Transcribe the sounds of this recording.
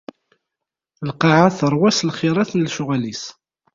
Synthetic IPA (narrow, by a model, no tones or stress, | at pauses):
lqɑʕaθəɾˤwæslχɪɾˤaθnlʃʊʁælis